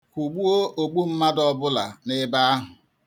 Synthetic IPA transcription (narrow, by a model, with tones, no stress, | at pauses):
kʷu˨ɡ͡bu˦o˦ʔo˨ɡ͡bu˦m̩˦ma˦dɔ˦bʊ˦la̰˨nɪ˦ba˦a˦ɦʊ˨